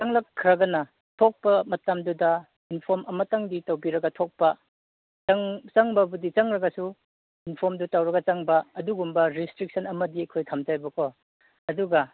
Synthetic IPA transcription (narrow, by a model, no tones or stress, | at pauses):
aŋlɐkʰːɾɐɡɐnɐ | tʰok̚pɐmɐtamdudɐ | inpʰoɾmʔɐmɐtaŋditɐwbiɾɐɡɐtʰok̚pɐ | ɐŋt͡ʃaŋbɐbudit͡ʃaŋɾɐɡɐsu | inpʰoɾmdutawɾɐɡɐt͡ʃaŋbɐːduɡumbɐɾistɾik̚sʰɐnɐmɐdiɐjkʰojtʰamd͡ʒajbɐkʰo | ɐduɡɐ